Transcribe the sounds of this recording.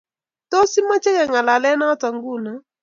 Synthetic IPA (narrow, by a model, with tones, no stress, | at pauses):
to˦si˦ma˦t͡ʃɛ˦kɛ˨ŋa˨la˨lɛ˦na˦ta˨ŋɡu˦˨na˨